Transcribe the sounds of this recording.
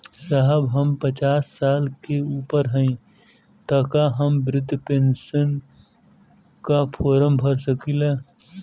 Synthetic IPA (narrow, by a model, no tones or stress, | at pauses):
saɦəbɦəmpət͡ʃaːsːaːlkeuːpəɾɦə̃ĩ | t̪əkaɦəmbɾɪd̪ʱːpẽːnʃən | kapʰɔːɾəmbʱəɾsəkilaː